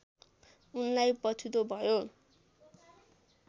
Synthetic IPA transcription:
unlajpʌt͡sʰut̪obʱʌjo

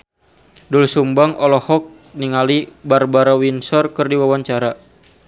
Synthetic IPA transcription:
dulsumbaŋɔlɔhɔk̚ | niŋalibarbaɾawinsɔrkɨrdiwawaɲt͡ʃaɾa

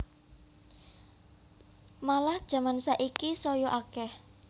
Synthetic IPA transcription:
malahd̥ʒ̥ä̤mansaʔikisɔjɔʔakɛh

